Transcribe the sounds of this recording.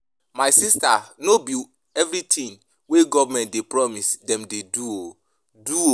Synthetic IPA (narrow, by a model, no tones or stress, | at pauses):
maɪsistanobi | ɛvɾitʰĩn | weɡɔvamɛ̃ntdepɹɔmisdɛ̃mdeduo | duo